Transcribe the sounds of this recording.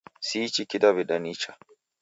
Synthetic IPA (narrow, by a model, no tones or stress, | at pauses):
siːt͡ʃikidaβiɗanit͡ʃa